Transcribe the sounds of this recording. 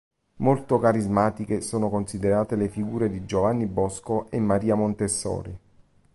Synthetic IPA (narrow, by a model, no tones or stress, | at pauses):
molt̪okaɾizmaːt̪ik̟esoːnokonsid̪eɾaːt̪elefiɡuːɾed̪id͡ʒovanːibɔskoʔemːaɾiːamont̪esːɔ̰ːɾi